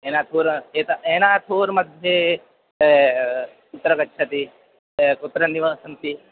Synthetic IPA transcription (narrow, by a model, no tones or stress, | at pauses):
eːnaːt̪ʰoːɾeːt̪ɐeːnaːt̪ʰoːɾmɐd̪ʱje | kʊt̪ːɾəkɐtːt͡ʃʰɐt̪i | kut̪ːɾɐniʋaːsɐnt̪i